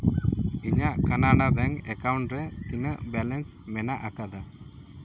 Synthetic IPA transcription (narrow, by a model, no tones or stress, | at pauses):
iɲaʔkanaɽab̪ɛŋɛkawɳʈɾɛt̪iɲəʔbɛlɛnsmɛnaʔakad̪a